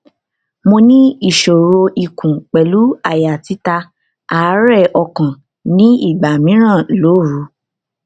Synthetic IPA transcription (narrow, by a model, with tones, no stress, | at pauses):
mo˧nĩ˦i˦˨ʃo˨ɾo˧i˨kũ˨k͡pɛ˨lu˨˦a˦˨ja˨ti˨˦ta˧ | a˨˦ɾɛ˦˨ɔ˧kã˨ | nĩ˦i˦˨ɡ͡ba˨mĩ˨˦ɾ̃ã˦˨lo˨˦˨ɾu˨˦